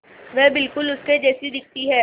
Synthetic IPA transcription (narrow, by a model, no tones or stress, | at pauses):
ʋɛːbɪlkʊlʊsked͡ʒɛːsid̪ɪk̚ʰt̪iɦɛː